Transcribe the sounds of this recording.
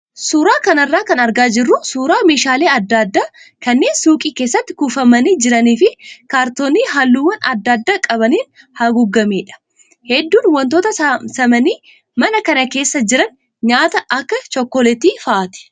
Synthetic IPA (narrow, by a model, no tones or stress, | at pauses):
suːɾaːkɐnɐrːaːkɐnɐɾɡaːd͡ʒɪrːʊsuːɾaːmeːʃaːleːɐd̪ːaːd̪ːaːkɐnːe̞ːnsuːkʼiːke̞ːsːɐt̪ːɪ̥kufɐmɐniːd͡ʒɪɾɐniːfɪkaːɾt̪oːniːɦalːuːwːɐnʔɐ̰d̪ːaːd̪ːaːkʼɐβɐniːn | hɐɡʊɡːɐmeːᶑɐ̥ | hɛd̪ːuːnwɐnt̪oːt̪ɐsɐmɐniː | mɐnɐkɐnɐke̞ːsːɐd͡ʒɪɾɐn | ɲaːt̪ɐʔɐkːɐt͡ʃɔkːɔlɛt̪iːfɐʔːt̪ɪ̥